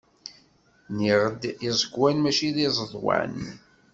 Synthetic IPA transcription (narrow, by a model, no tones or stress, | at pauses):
niʁəd̪izˤəɡwænmæʃiðizˤəðˤwæ̰n